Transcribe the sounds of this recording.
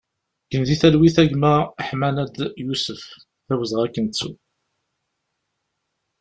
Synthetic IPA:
kənðiθælwiθæʝməʁħmænæd̪jusəf | θæwəzʁækːənt͡sːu

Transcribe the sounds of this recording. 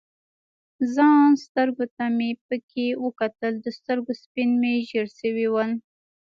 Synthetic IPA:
zɑnst̪əɾɡot̪amepəkʰewəkat̪əld̪əst̪əɾɡospinmeʒəɾʃəwiwəl

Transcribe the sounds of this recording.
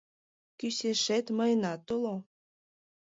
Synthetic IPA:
kyseʃet̪məjnɑt̪ulo

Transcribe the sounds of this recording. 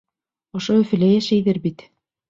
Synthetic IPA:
ŏʃoɵ̆fɘ̆læjæʃæjðɘɾbit̪

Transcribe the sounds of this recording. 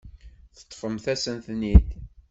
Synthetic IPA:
θə̥t̪ˤːfəmθæsənθniθ

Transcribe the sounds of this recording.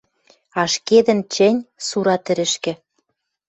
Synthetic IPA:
ɑʃked̪ɘ̆nt͡ɕɘ̆nʲsuɾɑt̪ɘ̆ɾɘ̆ʃkɘ̆

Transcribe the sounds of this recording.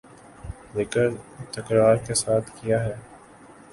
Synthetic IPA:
leːkəɾt̪ɐkɾaːɾkesaːt̪ʰkijaɦɛː

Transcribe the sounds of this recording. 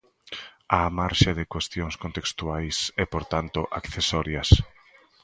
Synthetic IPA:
amaɾʃaðɪkwest̪joŋskont̪ekst̪uajsɛpoɾt̪ant̪ʊʔakθesɔɾjɐs

